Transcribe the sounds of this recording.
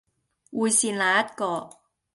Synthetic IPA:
wuː˨˧jsiː˧nlaː˨˧ɐ˦˥t̚kɔː˧

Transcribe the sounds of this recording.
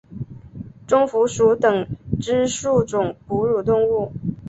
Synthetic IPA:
ʈ͡ʂʊ˥ŋfu˧˥ʂu˧˥t̪ɤ˨˩ŋʈ͡ʂɻ̩˥ʂu˥˩ʈ͡ʂʊ˨˩ŋpu˧˥ɻu˨˩t̪ʊ˥˧ŋu˥˩

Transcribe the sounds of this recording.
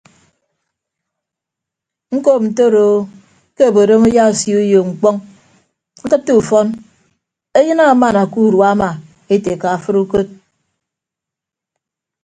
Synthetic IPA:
ŋ̩˦ko˦p̚n̩˨to˦˨ɾo˨ | ke˦o˨bo˨ɾo˦mu˦ja˦u˨sju˦jo˨ŋ͡m̩˨k͡pɔ˦ŋ | ŋ̩˦kɨ˦ttːu˦u˨fɔ˦n | e˦jɨ˦na˦˨˦ma˨na˨ku˦˨ɾwa˦ma˨ | e˦te˨ka˨a˨fɨ˦ɾu˦ko˦t̚

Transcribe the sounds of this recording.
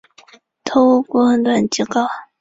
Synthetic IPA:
t̪ʰo˥u˥˧kwɔ˥xə˧˥nt̪wa˥˩nt͡ɕi˥˩kɑ˥˩ʊ

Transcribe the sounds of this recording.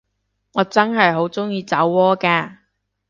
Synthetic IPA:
ŋɔː˨˧t͡sɐ˥nɦɐ˨jɦo˨˥wt͡sʊ˥ŋjiː˧t͡sɐ˨˥wːɔː˥kaː˧

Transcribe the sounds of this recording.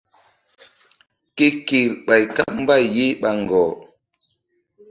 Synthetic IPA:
ke˦ki˨ɾɓa˨jka˦p̚m̩˦ba˦˨je˦ɓa˨ŋ˨ɡɔː˨

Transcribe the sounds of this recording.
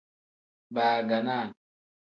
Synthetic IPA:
baː˨ɡa˨na˦˨n

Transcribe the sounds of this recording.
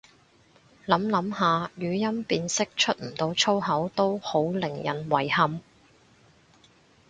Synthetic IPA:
lɐ˨˥mlɐ˨˥mhaː˨˧jyː˨˧jɐ˥mpiː˧nsɪ˥k̚t͡ʃʰɵ˥t̚m̩˨˩t̪o˧wt͡sʰo˥wɦɐ˨˥wt̪o˥who˨˥wlɪ˨˩ŋjɐ˨˩nwɐ˨˩jhɐ˨m

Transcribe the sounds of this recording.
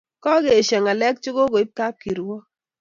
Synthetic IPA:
kɔ˦ɡe˨ʃɛ˨ŋa˨lɛ˦k̚t͡ʃʊ˦ɡo˦ko˨i˦p̚ta˦p̚ki˨ɾwɔ˦

